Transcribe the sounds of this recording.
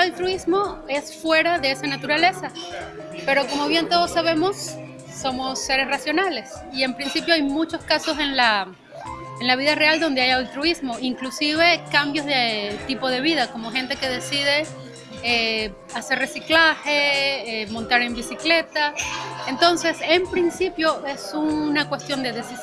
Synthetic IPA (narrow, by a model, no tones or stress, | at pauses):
alt̪ɾuizmo̞e̞sfwe̞ɾaðe̞esanat̪uɾale̞sa | pe̞ɾo̞ko̞mo̞βje̞nt̪o̞ð̞o̞sːaβ̞e̞mo̞sː | o̞mo̞sːe̞ɾe̞srasjo̞nale̞s | ie̞mpɾinsipjo̞ajmut͡ʃo̞skaso̞s̬e̞nla | enlaβ̞iðare̞ald̪o̞nd̪e̞ajalt̪ɾuizmo̞iŋklusiβ̞e̞kambjo̞zðet̪ipo̞ð̞e̞βiðako̞mo̞xent̪e̞ke̞ðe̞sið̞e̞ | e | ase̞rre̞siklaxeemont̪aɾe̞mbisikle̞t̪aent̪o̞nse̞se̞mpɾinsipjo̞ʔe̞sunakwe̞st̪jo̞nd̪e̞ðe̞si